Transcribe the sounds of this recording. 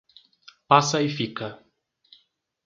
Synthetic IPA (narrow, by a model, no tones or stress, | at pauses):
pasajfikə